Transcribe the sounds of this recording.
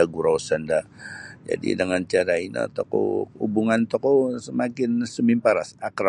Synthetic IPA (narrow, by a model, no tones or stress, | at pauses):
aɡuɾawsəndad͡ʒa̰dḭdəŋant͡ʃaɾaina̰t̪ɔko̰ubuŋant̪okosəmakɪnsəmimpaɾasakɾa